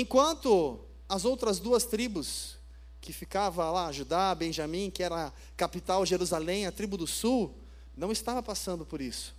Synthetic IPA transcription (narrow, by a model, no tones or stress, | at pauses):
ẽkwɐ̃nt̪ʊ | ɐzowt̪ɾɐzd̪uɐst̪ɾibʊs | kɪfikavɐ̃laʒud̪abẽʒamĩkɪɛɾɐ | kapit̪awʒeɾuzalẽj̃ɐt̪ɾibʊd̪ʊsuw | nɐ̃w̃ɪst̪avɐpasɐ̃nd̪ʊpoɾisʊ̥